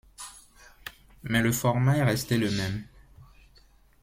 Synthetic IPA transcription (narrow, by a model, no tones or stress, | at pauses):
mɛləfɔʁmaɛʁɛst̪eləmɛm